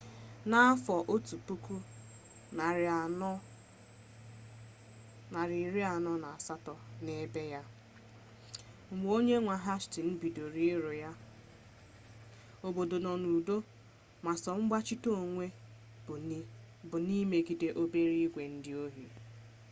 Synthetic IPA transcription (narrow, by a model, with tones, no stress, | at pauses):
na˦a˦fɔ˨ʔo˦tu˨pu˦ku˦ | na˨ɾa˨˦ | na˨ɾi˨ɾi˦a˨nɔ˦na˨a˨sa˦tɔ˨ne˦be˦ja˦ | ŋ͡m̩˨ɡ͡bo˦ɲe˦ŋʷa˨ɦa˦ʃtɪ˨n̩˦bi˨do˨ɾi˦ɾo˨ja˦ | o˨bo˨do˨nɔ˨nu˨do˦ | ma˨sɔ˨ŋ͡m̩˦ɡ͡ba˦t͡ʃi˦to˦˨ŋʷe˦˨˦ | bʊ˨ni˦me˨ɡi˨de˨ʔo˦be˦ɾi˦ɡʷe˨n̩˦dɪ˦o˦ɦi˨